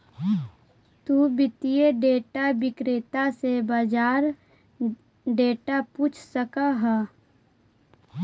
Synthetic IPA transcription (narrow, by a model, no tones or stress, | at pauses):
t̪ubɪt̪ijeɖeːʈabɪkɾeːt̪asebad͡ʒaːɾ | ɖeːʈapuːt͡ʃʰsəkaɦɛ